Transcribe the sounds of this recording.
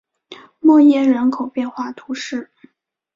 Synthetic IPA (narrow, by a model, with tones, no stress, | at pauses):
mwɔ˥˧jɛ˥˩ɻə˧˥nkʰo˨˩ʊpjɛ˥˧nxwa˥˩t̪ʰu˧˥ʂɻ̩˥˩